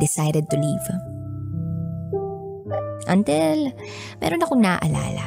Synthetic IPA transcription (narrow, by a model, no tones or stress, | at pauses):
d̪ɪsajd̪ɛd̪̚t̪ʊliv | ʔɐnt̪ɪl | mɛ̰ːɾonɐkoŋnaːʔɐla̰ːlɐ̰